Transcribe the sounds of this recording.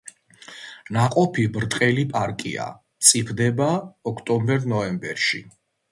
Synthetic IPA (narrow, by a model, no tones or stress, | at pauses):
naqʼɔpʰibɾt̪ʼqʼɛlipʼaɾkʼḭa̰ | t̪sʼipʰd̪ɛbaɔkʰt̪ʼɔmbɛɾnɔɛmbɛɾʃi